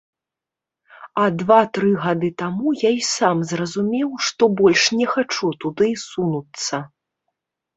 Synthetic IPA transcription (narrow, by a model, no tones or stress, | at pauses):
ɐd̪vat̪ɾɨɣad̪ɨt̪amujaisamzrɐzumʲɛwʂt̪ɔbɔlʲʂnʲɛxat͡ʂut̪ud̪ɨsunut̪sɐ